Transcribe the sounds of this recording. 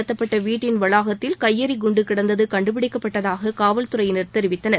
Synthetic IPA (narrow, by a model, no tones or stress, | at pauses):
ɯt̪ːɐpːɐʈːɐʋiːʈːɪnʋɐɭaːɣɐt̪ːɪlkɐjːɐɾiɡʊɳɖɯkɪɽɐnd̪ɐðɯkɐɳɖɯp̬ɪɽɪkːɐpːɐʈːɐðaːɣɐkaːʋɐlt̪ʊrɐjɪnɐɾt̪ɛɾɪʋɪt̪ːɐnɐɾ